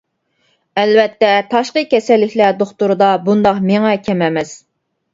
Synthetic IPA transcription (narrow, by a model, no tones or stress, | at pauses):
ɛlvɛt̪ːɛt̪ʰɑʃqəkʲʰɛsɛlːɪkʲʰlæɾd̪oχt̪uɾɨd̪ɑbund̪ɑqmeŋɛkʲʰɛmɛmɛs